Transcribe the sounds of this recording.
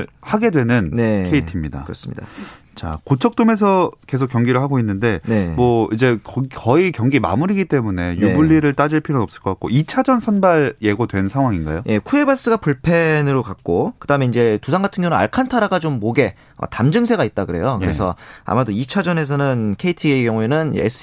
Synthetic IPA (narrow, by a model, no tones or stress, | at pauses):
haɡe̞dwe̞nɯnne̞kʰeitʰimɲida̰kɯɾʌ̰s͈ɯmɲid̥a̰ | t͡ɕa̰kot͡ɕʰʌk̚t͈ome̞s̬ʰʌkes̬ʰok͈jʌŋɡiɾɯɭɦaɡoinːɯnde̞ne̞mʌid͡ʑe̞kkʌikjʌŋɡima̰muɾiɡit͈e̞mune̞jubɯʎːiɾɯɭt͈ad͡ʑɯɭpʰiɾonʌp̚s͈ɯ̥ɭk͈ʌk͈ak͈oit͡ɕʰad͡ʑʌnsʰʌnbaɾje̞ɡodwe̞nsʰaŋɦwaŋinɡa̰joje̞kʰue̞bas͈ɯɡapuɭpʰe̞nɯɾokak̚k͈okɯd̥aɯme̞iɲd͡ʑe̞tus̬ʰaŋɡatʰɯŋjʌŋua̰ɭkʰantʰaɾaɡat͡ɕomːoɡe̞ | ʌ̰tamd͡ʑɯŋs̬ʰe̞ɡait̚t͈aɡɯɾe̞jokɯɾe̞sʰʌ̰a̰madoit͡ɕʰad͡ʑʌne̞s̬ʰʌnɯnkʰe̞itʰieɡjʌŋue̞nɯnḛs͈